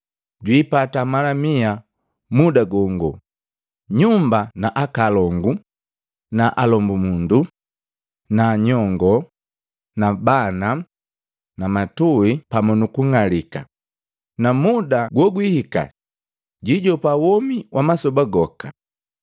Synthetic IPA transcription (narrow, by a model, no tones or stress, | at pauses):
ɟwiːpatamalamia | mudaɡɔŋɡɔ | ɲumbanaʔakalɔŋɡu | naʔalɔmbumundu | naːɲɔŋɡɔ | nabana | namatuipamɔnukuŋalika̰ | namudaɡwɔɡwihika̰ | ɟiɟɔpawɔmiwʔamasɔbaɡɔka̰